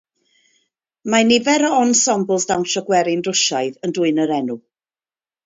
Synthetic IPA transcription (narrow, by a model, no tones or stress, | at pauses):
manɪvɛɾɔɔnsɔmblˠsdawnʃɔɡwɛɾɪnrʊʃaɨðəndʊɨnəɾɛnu